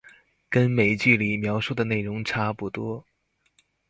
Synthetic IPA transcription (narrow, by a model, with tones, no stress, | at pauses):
kə˥nme˨˩ɪt͡ɕy˥˩li˨˩mjɑ˧˥ʊʂu˥˩d̪ə˩ne˥˩ɪɻʊ˧˥ŋʈ͡ʂʰa˥pu˥˩t̪wɔ˥